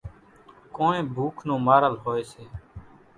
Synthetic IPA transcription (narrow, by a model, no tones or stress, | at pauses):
koːnẽːbʱuːkʰnõːmaːɾəlɦoːeːseː